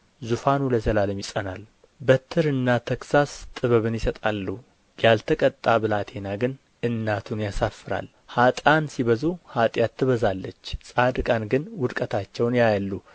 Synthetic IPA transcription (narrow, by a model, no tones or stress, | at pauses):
zufanuləzəlaləmjɪsʼənal | bət̪ʰɨɾɨnːat̪ʰəksast̪ʼɨβəβɨnjɪsət̪ʼalːu | jalt̪ʰəkʼət̪ʼːabɨlat̪ʰenaɡɨn | ʔɨnːat̪ʰunjasafːɨɾa̰l | hat̪ʼansiβəzuhat̪ʼjat̪ʰːɨβəzalːət͡ʃːsʼad̪ɨkʼanɡɨnwʊd̪kʼət̪ʰat͡ʃːɛwnjajalːu